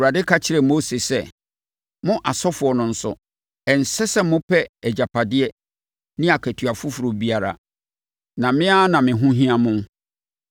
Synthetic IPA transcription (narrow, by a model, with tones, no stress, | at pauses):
ɾa˨dɪ˦kʰa˦t͡ɕʰɪ˦ɾɛ˨mo˦se˨sɛ˦ | mʊ̃˦ʔa˨sɔ˦fʊ˨ɔ˨nʊ̃˨n̩˨sʊ̰˨ | ɛ˨n̩˨sɛ˦sɛ˦mʊ̃˦pʰɛ˦ɛ˨d͡ʑa˨pʰa˨dɪ˦ɛ˦ | nɪ̃˦a˨kʰæ˨tʰɥa˨fʊ˦fʊ˨ɾo˨bi˦a˨ɾa̰˨ | nã˨mɪ̃˦a˦nã˨mɪ̃˨ɦʊ̃˦ɦĩ˦a˨mʊ̃˦